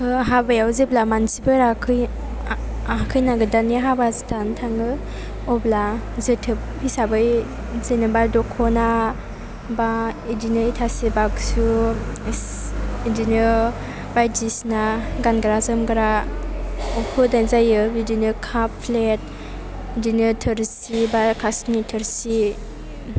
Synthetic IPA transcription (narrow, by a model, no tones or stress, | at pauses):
hɯɦabajawzeblamansibɯɾakʰɯj | aakʰɯjnaɡɯdaniɦabazitʰantʰaŋɯ | ɔblazɯtʰɯp̚ʰːisabɯj | zenɯbadɔkʰɔna | baidinəitʰasebaɡsu | idinɯ | bajdisnaɡanɡɯɾazɯmɡɯɾa | ɔpʰɯdazajɯbidinɯkʰappʰlet̚ | dinɯtʰɯɾsibakʰasnitʰɯɾsi